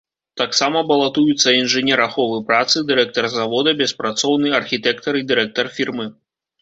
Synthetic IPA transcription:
t̪aksamɐbɐlˠat̪ujut̪sːɐinʐɨnʲɛɾaxɔvɨpɾat̪sɨd̪ɨɾɛk̚t̪ɐrzavɔd̪ɐbʲɛspɾat̪sɔwnɨɐrxʲit̪ɛkt̪ɐɾid̪ɨɾɛk̚t̪ɐrfʲirmɨ

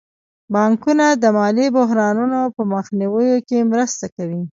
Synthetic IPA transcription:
bɑŋkunad̪əmɑlibʊɦɾɑnunopəməxniwəjokemɾəst̪akawi

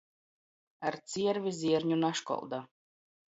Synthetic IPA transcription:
aɾt̪siɛɾvʲizʲiɛɾɲunaʃkɔ̰lˠd̪a

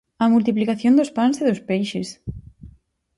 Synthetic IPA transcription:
ɐmult̪iplikaθjõnd̪ospanseðospejʃes

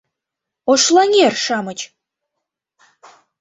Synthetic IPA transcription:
oʃlˠɑŋʲerʃɑmə̆t͡ɕ

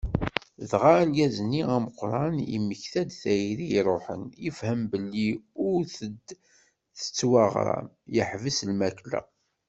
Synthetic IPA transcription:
ðʁalɡæzənːiæməqɾˤɑnḭmːəçθæd̪θæjiɾiɾˤoħə̰njəfhəmbəlːiʊɾθəd̪ | θə̥t͡sːwɑʁɾˤɑ̰ | jəħvəslmæklæ̰

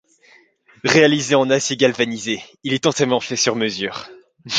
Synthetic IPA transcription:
ʁealizeɑ̃naseɡʲalvanizeilɛt̪ɑ̃t̪ɛmɑ̃fɛsyʁməzyːʁ

